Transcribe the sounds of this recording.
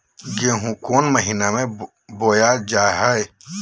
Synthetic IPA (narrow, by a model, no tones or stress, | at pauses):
ɡeːɦũkoːnməɦinamẽ | boːjad͡ʒaːɦəj